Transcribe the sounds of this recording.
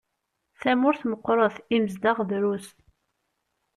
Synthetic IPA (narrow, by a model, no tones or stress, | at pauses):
θæmʊɾθməqːɾˤəθiməzd̪aʁðɾust̪